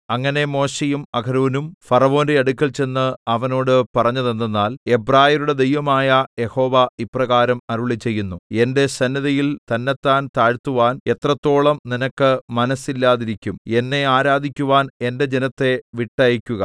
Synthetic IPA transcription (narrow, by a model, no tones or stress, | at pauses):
ɐŋːɐne̞mo̞ːɕejumɐɡʱɐɾoːnumfɐrɐʋo̞ːndeɐɽukʲːɐlt͡ɕe̞nːɨɐʋɐno̞ːɽɨpɐrɐɲːɐðe̞nːenːaːle̞braːjɐɾuɽe̞d̪e̞jʋɐmaːjɐje̞ho̞ːʋɐiprɐɣaːɾɐmɐɾuɭit͡ɕe̞jːunːue̞nde̞sɐnːɐðɐjilt̪ɐnːet̪ːaːnt̪aːɻt̪ːuʋaːne̞t̪rɐt̪ːo̞ːɭɐmninɐkːɨmɐnɐsilːaːðiɾikʲːume̞nːe̞aːɾaːd̪ʱikʲːuʋaːne̞nde̞d͡ʑenɐt̪ːe̞ʋiʈːɐjikʲːuɣɐ